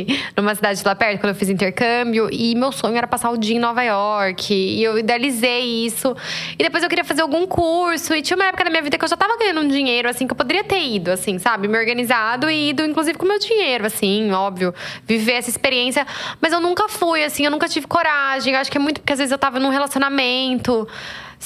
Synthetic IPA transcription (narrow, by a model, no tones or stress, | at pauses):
nũmɐsid̪ad͡ʒɪd͡ʒɪlapɛɾt̪ʊkɐ̃d̪ewfizĩnt̪eɾkɐ̃mbjʊʔɪmewsõɲʊɛɾɐpasaʊd͡ʒiɐẽnɔvajɔɾkʰɪːewid̪ealizejisʊɪd̪epojzewkeɾiɐfazeɾawɡũkʰuɾsʊɪt͡ʃĩɐ̃umɐɛpʊkɐd̪ɐmĩɲɐvid̪ɐkɪewʒat̪avɐɡɐ̃ɲ̃ɐ̃d̪ʊũd͡ʒiɲejɾʊasĩkɪewpod̪eɾiɐt̪eɾid̪ʊasĩsabɪmeoɾɡɐnizad̪ʊid̪ʊĩkluzivɪkõmewd͡ʒĩɲejɾʊasĩɔbviʊviveɛsɐispeɾiẽsjɐmɐzewnũkɐfujasĩewnũkɐt͡ʃivɪkoɾaʒẽj̃ewaʃʊ̥kɪɛmũj̃t̪ʊpʊɾkeazvezɪzewt̪avɐnũɦelasijonamẽnt̪ʊ